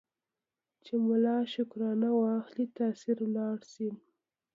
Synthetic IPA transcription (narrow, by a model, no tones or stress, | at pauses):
t͡ʃemʊlɑʃʊkɾɑnawɑxlit̪asiɾlɑɽsi